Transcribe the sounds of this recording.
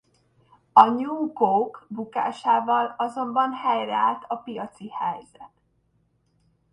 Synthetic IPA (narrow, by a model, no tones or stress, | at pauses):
ɒɲuːkokbuka̰ːʃaːvɒlɒzo̞mbɒnhɛjrɛaːlt̪ɒpijɒt̪sihɛjzɛt̪